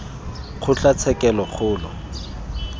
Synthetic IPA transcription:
χʰʊɬat͡sʰɛkɛlɔχʰʊːlɔ̰

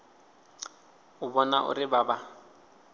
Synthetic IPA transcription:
ʊbɔnaʔʊ̰rɪbaːba

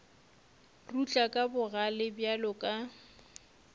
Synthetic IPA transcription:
rut͡ɬʼakʼabʊɣalɪbjalʊkʼa

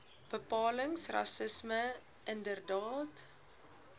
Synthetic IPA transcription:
b̥əpɑːləŋsrɐ̰səsmə | ʔəndərdɑːt

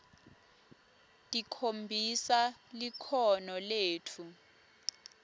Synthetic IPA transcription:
tʼikʰombʱisalikʰɔnɔleːtʰu

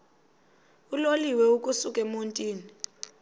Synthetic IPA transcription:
uloliwɛuk̬ʼusukʼɛmontʼiːni

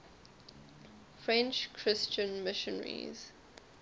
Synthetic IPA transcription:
fɹɛ̃nt͡ʃkʰɹɪst͡ʃə̃nmɪʃə̃nɹḭz̥

